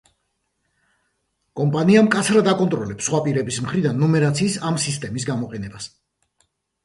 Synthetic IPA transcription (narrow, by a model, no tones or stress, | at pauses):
kʼɔmpʼaniamkʼat̪sʰɾad̪akʼɔnt̪ʼɾɔlɛpsχwapʼiɾɛbismχɾid̪anːɔmɛɾat̪sʰiːsamsist̪ʼɛmis̬ɡamɔqʼɛnɛbas